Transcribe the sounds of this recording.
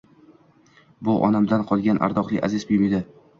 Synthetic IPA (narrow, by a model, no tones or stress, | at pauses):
bʊʔɒ̰namd̪anqʰɒlˠɡʲanʔa̰ɾd̪ɒqlˠɪ̰ʔa̰zɪzbɪmed̪ɪ